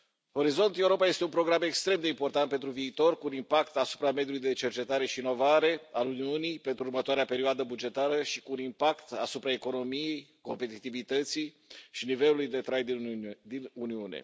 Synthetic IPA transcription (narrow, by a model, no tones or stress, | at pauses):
ho̞ɾizo̞nt̪euɾo̞paje̞st̪eunpɾo̞ɡɾame̞kst̪ɾe̞md̪e̞impo̞rt̪ant̪pent̪ɾuviːt̪o̞rkuːnimpakt̪asu̥pɾame̞d̪julujd̪e̞t͡ʃe̞rt͡ʃe̞t̪aɾe̞ʃiːno̞vaɾe̞aluniunijpe̞nt̪ɾuːrmət̪oaɾeape̞ɾioad̪əbud͡ʒe̞t̪aɾəʃikuːnimpakt̪asupɾae̞ko̞no̞mije̞jko̞mpe̞t̪it̪ivit̪ət̪si | ʃinive̞lulujd̪e̞t̪ɾajd̪id̪inuniunḛ